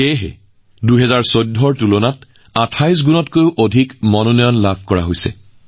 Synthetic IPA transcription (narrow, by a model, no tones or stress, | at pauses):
eɦɛ̰ | duɦɛzaɹsojdʱɔɹtulonat | atʰajs̬ɡunɔtkojʊʔodʱikmɔnɔnɔjɔnlabʰʱkɔɹa̰ɦojsɛ̰